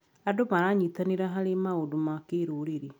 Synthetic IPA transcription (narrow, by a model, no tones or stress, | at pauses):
adomaɾaɲitaniɾaɦaɾemaodumakeɾuːɾiɾi